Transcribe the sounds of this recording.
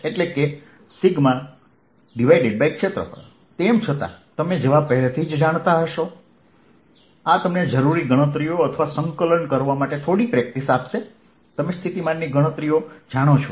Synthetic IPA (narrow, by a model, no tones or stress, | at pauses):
eʈleke | siɡmã | ɖiʋajɖeɖ̚bajikʃʰet̪ɾə̰pə̰ɾ | t̪emt͡ʃʰət̪a̰t̪əmed͡ʒeʋãpəɦɛlet̪ʰid͡ʒd͡ʒaɽ̃t̪aɦəʃo | at̪əmned͡ʒəɾuɾiɡəɽ̃ət̪ɾijoət̪ʰəʋasəŋkələɳkəɾʋamaʈet̪ʰoɽipɾɛk̚ʈisapʃe | t̪əmest̪ʰit̪imanːiɡəɽ̃ət̪ɾijod͡ʒaɽ̃õt͡ʃʰu